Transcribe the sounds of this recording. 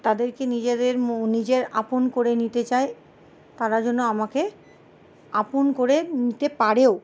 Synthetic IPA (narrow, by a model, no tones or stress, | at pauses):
t̪ad̪eɾkenid͡ʑed̪eɾnid͡ʑeɾa̰ponkoɾenit̪et͡ɕae | t̪aɾad͡ʑonːoamake | aponkoɾenit̪epaɾeo